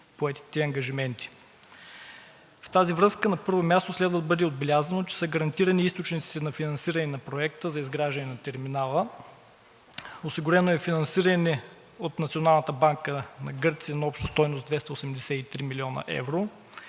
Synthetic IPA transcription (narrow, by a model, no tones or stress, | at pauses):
poɛt̪i̥t̪ɛɐŋɡɐʒimɛnt̪i̥ | ft̪azivɾɤskənɐpɤɾvomʲjast̪oslɛd̪vəd̪bɤd̪ɛod̪̚bɛlʲazɐnot͡ʃɛ̥səɡɐɾɐnt̪iɾəniist̪ot͡ʃnit̪si̥t̪ɛnɐfinɐnsiɾɐnɛnɐpɾoɛkt̪əzɐizɡɾaʒɐnɛnɐt̪ɛɾminalˠə | osiɡʊɾɛnoɛfinɐnsiɾənɛ | ot̪nɐt̪sionalˠnət̪əbaŋkənɐɡɤɾt̪sijənɐɔpʃt̪ɐst̪ɔjnosd̪vɛst̪əosɛmd̪ɛsɛit̪ɾimilʲiɔnɐ̰ʔɛ̰vɾo